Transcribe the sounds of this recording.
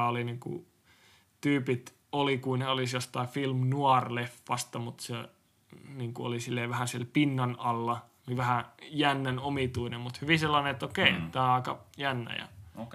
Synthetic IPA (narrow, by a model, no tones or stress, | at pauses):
oliniŋkṵ | t̪yːpit̪ | olikuineolisjost̪ɑifilmnuɑrlefːɑst̪ɑmut̪se | niːŋkuo̰lisilːeːʋæhæsielpinːɑnɑlːɑ | niʋæhæjænːænomit̪uinemmut̪hyʋiselːɑneet̪ːokeˑit̪æːɑˑikɑ̰jænːæ̰jɑ̰